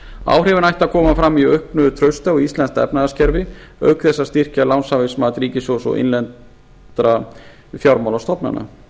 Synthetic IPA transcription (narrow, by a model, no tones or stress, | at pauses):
a̰ːwr̥ɛvɪnajht̪akʰɔːmafɾamːiœɥhpnʏðʏt̪ʰɾœɥst̪aɔist̪lɛnt̪ɛ̰pnaðascɛɾvɪœɥkθɛsːast̪ir̥calawnsavɪsmat̪ɾiːcɪsowsɔ̰ɣʔɪ̰nlɛn | t̪ɾa | fjawɾmawlawst̪ɔpna̰na̰